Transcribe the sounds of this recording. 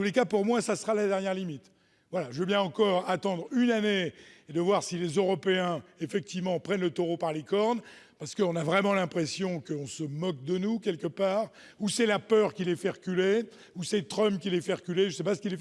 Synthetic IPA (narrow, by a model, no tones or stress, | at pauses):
t̪ulekapuʁmwɛ̃sasəʁalad̪ɛʁnjɛʁlimit̪ | vwalaʒəvøbjɛ̃ɑ̃kɔʁat̪ɑ̃d̪ʁynaneed̪əvwaʁsilezøʁɔpeɛ̃efɛk̚t̪ivmɑ̃pχɛnlət̪ɔʁopaʁlekɔʁn | paʁsə̥kəɔ̃navʁɛmɑ̃lɛ̃pχesjɔ̃kəɔ̃səmɔk̚d̪ənukʲɛlkəpaːʁ | usɛlapœʁkʲilɛfɛʁəkʲyle | usɛt̪χœmpkʲilɛfɛʁəkʲyleʒəsɛpasə̥kilɛf